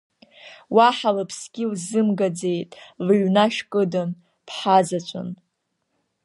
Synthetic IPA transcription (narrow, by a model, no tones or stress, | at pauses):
waħalapʰsɡʲilzɨmɡad͡ze̞jtʼlɥnaʃkʼɨdan | pʰħazat͡ʃʷʰʼʊ̰n